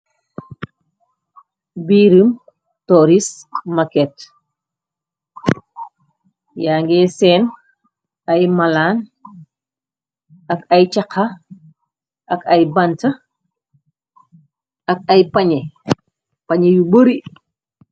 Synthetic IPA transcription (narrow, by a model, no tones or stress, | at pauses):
biːɾim | tɔɾismɐkɛt | jaːŋɡɛːsɛn | ɐjmɐlaːn | ɐkɐjt͡ʃɐkʰːa | ʔɐkɐjbɐntɐ | ɐk̚ɐjpɐɲe | pɐɲejubəɾi